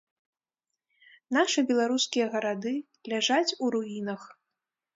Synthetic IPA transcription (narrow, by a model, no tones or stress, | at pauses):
n̪aʂɨbʲɛlˠaɾuskʲijɐɣɐɾad̪ɨ | lʲaʐat͡sʲuɾuinɐx